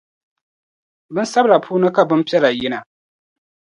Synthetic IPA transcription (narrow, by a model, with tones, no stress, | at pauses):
bɨ˦nsa˦bla˨pʰuː˦nɨ˦ka˨bɨ˦mpi˦ɛ˦la˨jɪ˦na˨